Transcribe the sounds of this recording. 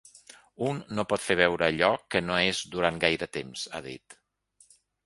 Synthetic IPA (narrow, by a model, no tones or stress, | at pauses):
unːopɔt̪feβ̞ɛwɾəːʎɔkənoezd̪uɾanɡajɾət̪emza̰ðḭt̪